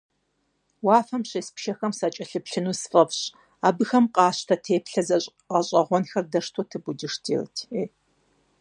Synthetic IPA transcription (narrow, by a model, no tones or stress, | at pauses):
waːfɐmɕeːspʃɐxɐmsɐt͡ʃʼɐɬɨpɬɨnuːsfʼɐpɕ | aːbɨxɐmqʼɑːɕtʰɐtʰeːpɬɐzɐɕʼ | qɐɕʼɐʁʷɔnxɐrdɐʂtʰoːtʰɨbudɨʂtʰḭːrɨ̰tʰeː